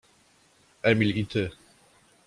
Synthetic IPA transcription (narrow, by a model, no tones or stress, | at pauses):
æmilit̪ʰə